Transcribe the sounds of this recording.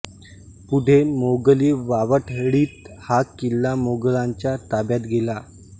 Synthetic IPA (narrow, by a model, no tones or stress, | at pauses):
puɖʱemoɡəliʋaʋəʈʰɽiːt̪hakkilːamoɡəɭaɲt͡ɕjat̪abjat̪ɡʱela